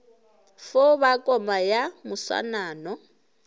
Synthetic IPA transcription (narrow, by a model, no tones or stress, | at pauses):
fʊβakʼɔmajamʊswa̰naːnɔ